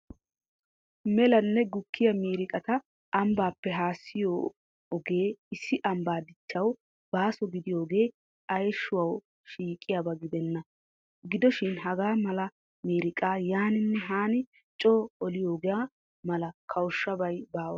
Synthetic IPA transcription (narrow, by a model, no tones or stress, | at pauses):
mɛlɐnːɛɡʊkːɪjɐmiːɾɪkʼɐt̪ɐ | ɐmbaːpːɛɦaːsːɪjoː | ɔɡe̞ːɪsːɪʔɐmbaːd̪ɪt͡ʃːɐw | b̥aːsɔɡɪd̪ɪjo̞ːɡe̞ː | ɐjʃːʊwɐw | ʃiːkʼɪjabɐɡɪd̪ɛnːɐ | ɡɪd̪ɔʃɪnɦɐɡaːmɐlɐ | miːɾɪkʼaːjaːnɪnːɛɦaːnɪ | t͡ʃʼoːɔlɪjoːɡɛja | mɐlɐkʰɐwʊʃːɐbɐjbaːwɐ̰